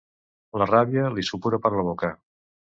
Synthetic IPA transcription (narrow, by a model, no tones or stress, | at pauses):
ləraβjəlisupuɾəpəɾləβokə